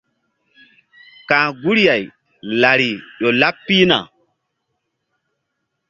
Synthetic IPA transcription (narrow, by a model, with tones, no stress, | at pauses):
kãː˨ɡu˦ɾja˨j | la˨ɾi˨ɗo˨la˦pːi˦na̰˨